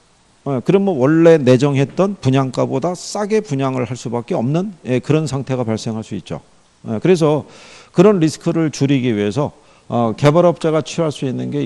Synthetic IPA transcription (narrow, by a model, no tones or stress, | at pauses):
kɯɾʌnmowʌɭːe̞ne̞d͡ʑʌŋɦe̞t̚t͈ʌnpuɲaŋk͈abodas͈aɡe̞puɲaŋɯɭhaɭs͈ubak͈̚eʌmnɯnekɯɾʌnsʰaŋtʰe̞ɣapaɭs͈e̞ŋɦaɭs͈uit̚t͡ɕ͈o̰ | ekɯɾe̞s̬ʰʌkɯɾʌnɾisʰɯ̥kʰɯɾɯɭt͡ɕuɾiɡiɥiɦe̞sʰʌ | ʌke̞baɾʌp̚t͡ɕ͈aɣat͡ɕʰiɦaɭs͈uinːɯnɡe̞